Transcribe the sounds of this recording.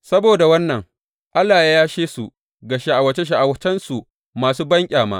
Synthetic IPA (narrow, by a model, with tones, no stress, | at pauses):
sɐ˦boː˨da˨wɐ˦nːɐ˨ŋ | ʔa˦lːaː˨ja˦jaː˦ʃeː˦su˨ | ɡa˨ʃa˨ʔa˨wɐ˨t͡ʃe˦ʃ̬a˨ʔa˨wɐ˨t͡ʃɛ˦nsu˨ʔ | maː˨s̬uː˦bɐ˦ŋkʲʼaː˨ma̰ː˦